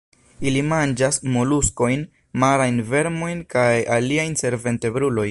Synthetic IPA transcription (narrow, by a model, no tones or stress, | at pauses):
ilimand͡ʒasmo̞lusko̞jn | maɾajnve̞ɾmo̞jnkajaliajnse̞ɾve̞nte̞bɾulo̞jn